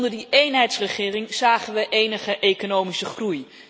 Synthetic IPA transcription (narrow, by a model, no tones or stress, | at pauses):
ndəɹdiʔejnɦɛjtsrəχɪːrɪŋz̥aːχənʋəʔejnəχəʔejkonowmisəχruj